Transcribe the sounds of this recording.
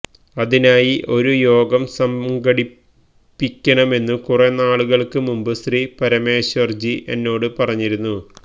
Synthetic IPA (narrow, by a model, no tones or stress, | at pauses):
ɐðinaːjiʔo̞ɾujo̞ːɡɐmsɐmɡɐɽi | pːikʲːɐɳɐme̞nːukurenːaːɭuɣɐɭkɨmumbɨsripɐɾɐmeːɕɐrd͡ʑiʔe̞nːo̞ːɽɨpɐrɐɲːiɾunːu